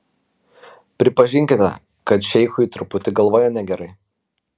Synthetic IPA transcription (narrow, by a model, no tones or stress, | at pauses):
pʲɾʲɪpɐʒʲɪŋʲkʲɪt̪ʲɛ̰ | kɐt̪ʃʲɛɪxʊiːˑt̪ɾʊpʊt̪ʲɪɡɐlˠʋoːjɛnʲɛɡʲɛɾɐɪ